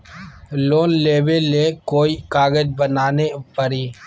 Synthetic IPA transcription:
loːnleːʋeleːkoːikaːɡəd͡ʒbənaːnepəɾiː

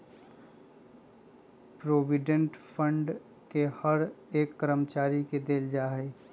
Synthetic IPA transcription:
pɾoːʋɪɖẽɳʈfʰə̃ɳɖ | kehəɾeːkːəɾəmt͡ʃaːɾiked̪eːld͡ʒaːɦɛː

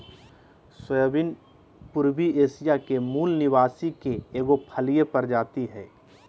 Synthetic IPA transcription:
swəjbɪn | pʊɾbieːsijakemuːlnɪʋaːsikeeːɡopʰəlijepɐɾd͡ʒaːt̪iɦɛː

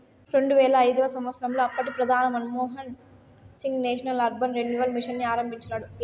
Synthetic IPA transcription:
ɾe̞ɳɖuʋɛːɭɐɐjd̪ɐʋɐsɐmʋɐt̪sɾɐmlo̞ːɐpːɐʈipɾɐd̪ʱaːnɐmɐnmɔːɦɐn | siŋɡneːʂɐnɐlɐɾbʱɐnɾenːjuʋɐlmiʂɐnːiaːɾɐmbʱiɲt͡ʃɐnaːɽu

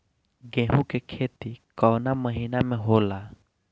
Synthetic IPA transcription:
ɡɛ̃ɦũkekʰet̪ikɔwnaməɦinamɛ̃ɦola

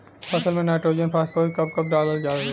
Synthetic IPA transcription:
pɐsəlmẽnaːʈɾoːd͡ʒiənpʰaskoːikɐp̚kɐp̚ɖaːləɾd͡ʒaː

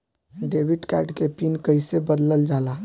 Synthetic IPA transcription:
ɖebiɖkɛɖkepinkəjsebəd̪ləld͡ʒala

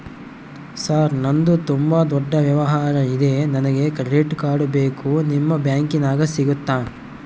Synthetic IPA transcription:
saːɾnɐnd̪ut̪umbad̪ɔɖːɐʋjɐʋɐɦaːɾɐid̪e̞nɐnɐɡe̞kɐɾeʈkaːɽubeːkunimːɐbjaːŋkinaːɡɐsiɡut̪ːaː

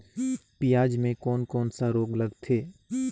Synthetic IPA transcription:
pɪjaːd͡ʒmẽkɔːnkɔːnsaɾoːɡləɡt̪ʰeː

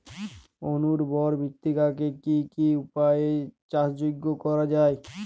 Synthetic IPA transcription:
onuɾbɔɾbʱikt̪ːikakekikiupajet͡ɕasd͡ʑoɡːokɔɾad͡ʑae

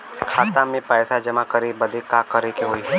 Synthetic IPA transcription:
kʰaːt̪ãmẽpɛːsad͡ʒɐmakɐɾebɐd̪ekakɐɾekeɦoːi

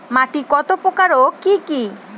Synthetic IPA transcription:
maʈikɔt̪opokaɾokiki

